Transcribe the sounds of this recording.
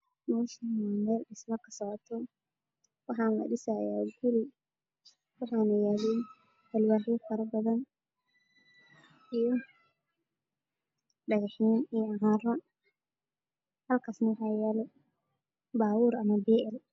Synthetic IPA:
mɐðɐʃɐnmɛːlɖɪsmɐkʰɐ̥sɔʕɔt̪ʰɔ | wɑħɑːnlɐ̰ɖɪsaja̰ːɡʊlɪ | wɑħɑːnɐjaːlɛn | bɐlwaːħifɐɾɐbɐðɐn | ijɔ | ɖɐɣɑħiːnijɦãːrɔ | hɐlkʰaːsnɐwɑħɑːjɛːlɛ | baːwʊːɾʔɐmɐbɛːʔɛl

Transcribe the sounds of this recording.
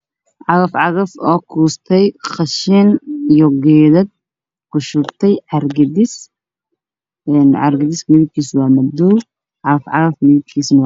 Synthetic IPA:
ʕɑɣɐfʕɑɣɐfɔːkʰuːst̪ʰɛjqɑʃɛnijɔɡɛːðɐd̪̚ | kʰʊʃʊbt̪ʰɛjʕɑrɡɐd̪ɪs | ɛnʕɑ̰rɡɐd̪ɪsmɪðɪɡ̚kʰiːswɑːmɐd̪uː | ʕɑɣɐfʕɑɣɐfmɪðɪɡ̚kʰiːsnw

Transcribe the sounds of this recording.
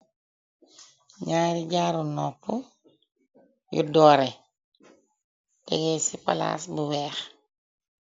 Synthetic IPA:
ɲaːɾiɟaːɾunɔpːu | jṵdɔːɾɛ | tɛɡɛsipa̰la̰ːsbuwɛːx

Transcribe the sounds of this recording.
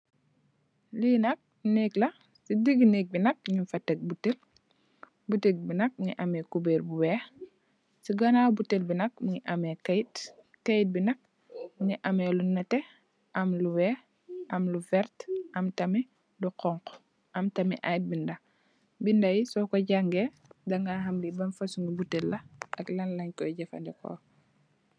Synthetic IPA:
linɐk̚ | niklɐ | sidiɡnek̚binɐk̚ɲifɐtːɛk̚butːel | butek̚binɐk̚niʔɐmɛkubeːɾbuwɛː | siɡɐnabutːelbinɐk̚miɲiʔɐmɛkɐjt | kɐjt̚binɐk̚ | niʔɐmɛlunɐtɛ | ʔɐmluwɛː | ʔɐmluvɛɾtʔɐmtɐmi | duqɔŋq | ʔɐmtɐmḭʔajt̚bindɐ | bindɐjisɔkɔɟaŋɡɛ | dɐŋɡaɦɐmlibɐnfɐsuŋɡibutelːɐɐklɐnlɐɲkɔjɟɛfɐ̰ndɛkɔ̰ː

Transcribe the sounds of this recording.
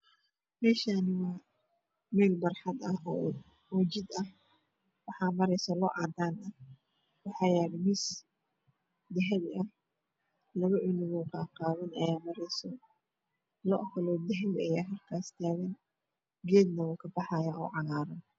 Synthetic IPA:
mɛːʃanɪwɑː | mɛːlbɐrħɑd̪ɐɔ | wɐt͡ʃɪd̪ɐh | wɑħɑːmɐɾɛjsɔlɔʔɑd̪aːnɐ | wɑħɑjaːɾmis | d̪ɛɦɛβɐh | lɐβɐʔʊnɪɣɔːkʰaːqɑːβɐnɐjaːmɐɾɛjsɔ | lɔʔhɐlɔːd̪ɛɦɛβɐjaːɦɐlkʰaːst̪ʰaːɣɐn | ɡɛːd̪nɐwɔːkʰɐbɑħɑjaʔɔːʕɑɣaːɾɐn

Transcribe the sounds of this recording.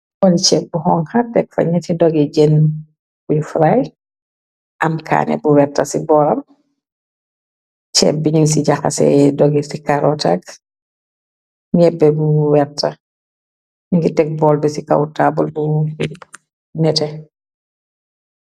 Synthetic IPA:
ɔlit͡ʃɛp̚buhɔŋxɐtɛk̚fɐ̰ɲɛtidɔɡid͡ʒɛn | kujufɾaj | ʔɐmkʰa̰ːnɛ̰buwɛtːɐsibɔːlɐm | t͡ʃɛ̰p̚biɲiŋs̬iɟaxɐ̰sɛ̰dɔɡisikaɾɔta̰ɡ | ɲɛbːɛbuwɛrtːɐ | ɲiŋɡitɛk̚bɔːlbɛsika̰wtaːbulbu | nɛtɛ

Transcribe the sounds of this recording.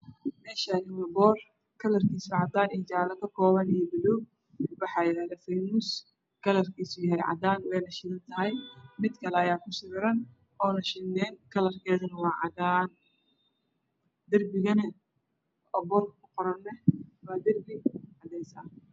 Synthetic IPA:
mɛːʃanɪwɐbɔːr | kʰɐlɐrkʰiːsʊʕɑd̪aːnijt͡ʃaːlɐkʰɐkʰɔːβɐnijbɪlɔː | wɑħɑːjɪɾaːðɐfɐjmuːs | kʰɐlɐrkʰiːsʊjɐɦɛjʕɑ̰d̪aːnwɛjnɐʃɪnɐnt̪ʰɐɦɛjmɪd̪kʰɐlɛɐjaːkʰʊsɪβɪɾɐn | ɔːnɐʃɪnːɛːnkʰɐlɐrkʰɛːðɐnɐwɑːʕɑ̰d̪aːn | d̪ɐrbɪɣɐnɐ | ɔbɔːrkkʰʊqɔɾɐnːɛwaːd̪ɐrbɪʕɑd̪ɛjsaːn

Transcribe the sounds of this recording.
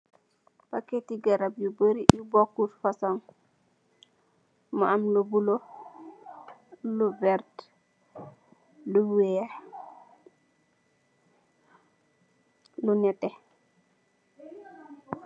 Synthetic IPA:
pakːetiɡɐɾabjubəɾijubɔkːutfasɔŋ | maamlubulo | lubɛɾt | luwɛ | lunɛtɛ

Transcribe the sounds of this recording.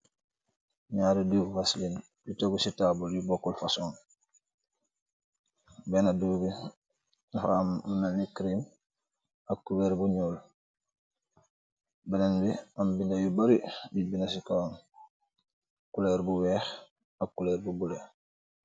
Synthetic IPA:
ɲaːɾiduːfufaslin | dutoɡusitabuljubokːulfason | benaduːbi | nfa̰munalikɾim | akːubeːɾbuɲoːl | belenbiambindajubaɾibibinas̬ikon | akuleːɾbuweːx | akːuleːɾbubule

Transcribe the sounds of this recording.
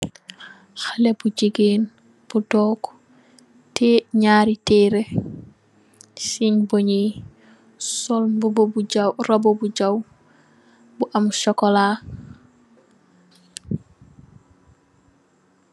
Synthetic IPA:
xalebud͡ʒiɡeːn | b̥udɔːk | tɛɲaːɾitɛɾe | siɲboɲi | sɔlbbbuawrobobud͡ʒaw | buʔamuʃɔkɔlaː

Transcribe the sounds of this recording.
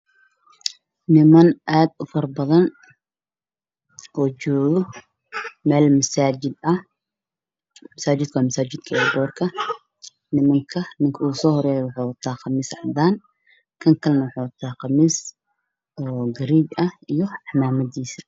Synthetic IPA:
nɪmɐnʔaːd̪ʊfɐrbɐðɐn | ʔɔːt͡ʃɔːɣɔ | mɛːlmɐsaːd͡ʒɪd̪ɐ | mɐsaːt͡ʃɪd̪̚kʰɐwaːmɐsaːt͡ʃɪd̪kʰɐɛɡɔːrkʰɐ | nɪmɐŋkʰɐnɪŋkʰɐuːsɔːhɔɾɛːjɛwʊħuːwɐt̪ʰaːqɑmiːsʕd̪aːn | kʰɐŋkʰɐlnɐwʊħuːwɐt̪ʰaːqɑmiːs | ɔːɡɐɾiːɡɐhijɔɑħmaːmɐd̪iːsɐ̥

